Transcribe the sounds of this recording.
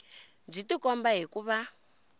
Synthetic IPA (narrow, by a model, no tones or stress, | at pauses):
b͡ʐitikɔmbaɦikuβa